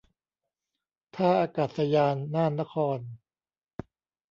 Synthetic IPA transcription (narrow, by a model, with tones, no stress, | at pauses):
t̪ʰaː˥˩ʔaː˧kaː˨˩t̪̚sa˧jaː˧nːaː˥˩nːa˦˥kʰɔː˧n